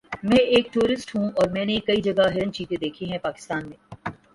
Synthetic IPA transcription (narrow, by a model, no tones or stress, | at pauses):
mɛ̃ːeːkʈuːɾɪsʈɦũɔːɾmɛ̃ːnekɐid͡ʒɐɡaɦɪɾənt͡ʃiːt̪ed̪eːkʰiɦɛ̃paːkɪ̥st̪aːnmẽː